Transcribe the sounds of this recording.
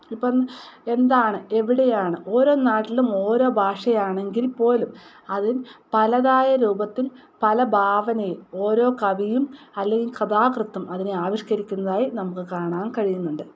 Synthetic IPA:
ipːɐe̞nd̪aːɳɨe̞ʋiɽejaːɳɨʔo̞ːɾo̞ːnaːʈːilumo̞ːɾo̞ːbʱaːʂɐjaːɳe̞ŋɡilpo̞ːlum | ɐðinpɐlɐðaːjɐɾuːbɐt̪ːil | pɐlɐbʱaːʋɐnɐjumo̞ːɾo̞ːkɐʋijumɐlːe̞ŋɡilkɐd̪aːkrɨt̪ːɐmɐðineaːʋiʂkɐɾikʲːunːɐðaːjinɐmukːɨkaːɳaːnkɐɻijunːuɳɖɨ

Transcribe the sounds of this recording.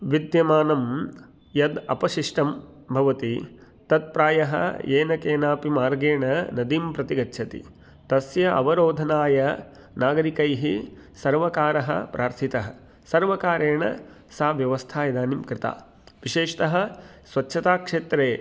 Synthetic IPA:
ʋid̪jɐmaːnɐm | jɐd̪ɐ̰pɐʃiʂʈɐmbʱɐʋɐt̪i | t̪ɐt̪̚pɾaːjɐɦɐ̰jeːnɐkeːnaːpimaːɾɡeːɳɐnɐd̪impɾɐt̪iɡɐtːʃʰɐt̪ḭ | t̪ɐsjɐʔɐʋɐɾoːd̪ʱɐnaːjɐ | naːɡɐɾikɐjɦisɐɾʋɐkaːɾɐɦɐ̰pɾʔaːɾt̪ʰit̪ɐɦɐ̆ | sɐɾʋɐkaːɾeːɳɐ̰ | saːʋjɐʋɐst̪ʰaːjɐd̪aːnimkɾɪt̪a̰ː | ʋiʃeːʂt̪ɐɦɐ̆sʋɐtːʃʰɐt̪aːkʂeːt̪ɾeː

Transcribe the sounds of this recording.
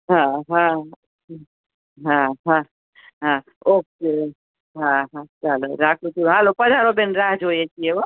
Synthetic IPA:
ɦãɦão | e | ɦãɦã | ɦã | oke | ɦãɦãt͡ʃaloɾakʰud͡ʒuɾɦalopəd͡ʒʱaɾobenɾaɦd͡ʒɦojet͡ʃʰijewo

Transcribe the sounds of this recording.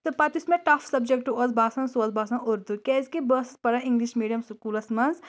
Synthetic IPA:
t̪ɨpɐt̪ismẽʈɐfʰsɐbd͡ʒek̚ʈːuɐzbaːsɐnsoɐzbaːsɐnʔoɾd̪ukɛːzkebəːsi̥spɐɾɐĩŋɡliʃmiːɖijɐmsukuːlɐsmɐnz

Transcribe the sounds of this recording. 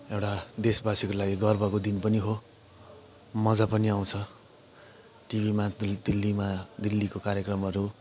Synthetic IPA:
ewʈad̪esbasikolaɡiɡʌrbʌkod̪inpʌniɦo | mʌd͡zapʌniaw̃t͡sʰʌ | ʈibʱimad̪ilːimad̪ilːikokaɾjʌkrʌmʌɾu

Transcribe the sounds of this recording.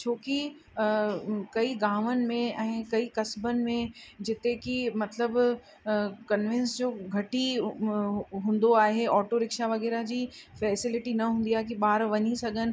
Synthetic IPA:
t͡ɕʰoːki | kɐiɡaːʋənɪ̆mẽɛ̃ːkɐikɐsbənɪ̆mẽd͡ʑɪt̪ekimɐt̪ləb | kɐnʋɪ̃nsd͡ʑoːɡʱɐʈi | ɦũːn̆d̪oaːɦeɔːʈoɾɪkʃaʋɐɣɛːɾad͡ʑiːfɛːsɪlɪʈinɐɦũːnd̪iaːɦek̬iɓaːɾʋɐɲisɐɡʱənɪ̆

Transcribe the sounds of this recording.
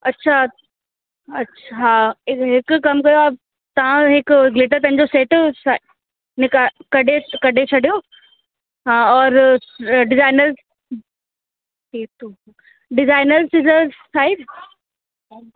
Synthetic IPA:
ɐtːʃʰa | ɐtːʃʰaɦãɪɦɪkkɐmkɐjoɐ | t̪ɐʋ̤ãɦɪkɡlɪʈ̬əɾpɐ̃ɦɪ̃ɲd͡ʑoseːʈsa | nɪkakɐɖʱekɐɖʱet͡ɕʰɐɖijo | ɦãːɔːɾ | ɖɪzaːɪnəɾz | ʈʰiːk̚t̪u | ɖɪzaːɪnəɾzsɪzəzsaːɪd̪

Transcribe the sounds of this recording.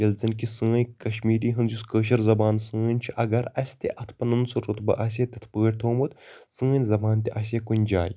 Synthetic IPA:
jɐlzɐnkisə̃ːjʲkɐʃmiːɾiːɦɨnzuskəːʃ̬ɐɾzɐbaːnsə̃ːnʲt͡ʃʰiʔɐɡɐɾɐsʲt̪ʲḛʔɐt̪ʰpɐnɨnsɨɾot̪bɐ̰ʔɐs̬ʲet̪ʲɐt̪ʰpəːɽʲt̪ʰoːmɨt̪sɨ̃ːnʲzɐbaːnt̪iʔɐs̬ʲekunʲd͡ʒaːj

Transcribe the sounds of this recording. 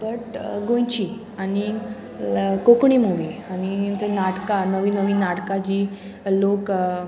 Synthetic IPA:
bəʈɡõjt͡ɕi | añi | kokɳimuʋiañit̪ənaʈkanəʋiːnəʋiːnaʈkad͡ʑiː | lok

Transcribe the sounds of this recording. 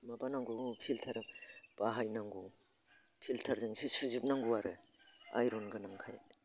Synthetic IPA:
mabanaŋɡupʰiltʰaɾɯb̥aɦajnaŋɡu | pʰiltʰaɾzensisuzip̚naŋɡuwaɾɯ | a̰jɾɔnɡɯnaŋkʰaj

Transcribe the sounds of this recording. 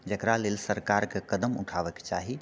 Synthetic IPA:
d͡ʒəkɾalelsəɾkaɾkekəd̪əmṵʈʰaʋəkt͡ʃaɦi

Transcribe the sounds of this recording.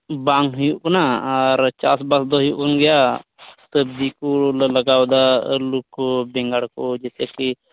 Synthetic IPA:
baŋɦʊjuʔknaəɾt͡ʃaːsbasd̪oɦjuʔkonɡɪja | t̪əbd̪ikolləɡaːwd̪aːlʊkbẽŋɡaɽkod͡ʒeseki

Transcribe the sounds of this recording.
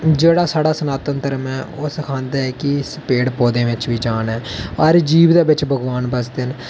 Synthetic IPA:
d͡ʒeːɽaːsaːɽaːsənaːt̪ənt̪əɾəmɛːʔoːsəkʰãːnd̪aːɛːkɪsəpeːɽpoːd̪ẽːʋɪt͡ʃʋiːd͡ʒaːnɛːɔɾd͡ʒiːʋd̪aːbɪt͡ʃbʱəɡʋaːnbəsd̪ɪn

